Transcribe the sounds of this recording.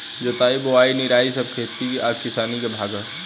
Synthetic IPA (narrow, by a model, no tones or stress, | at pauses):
d͡ʒɐt̪aːiboaːiniɾaːis̬əb̚kʰeːt̪ːikiʔaːpkɪsaːnikebʱaːɡã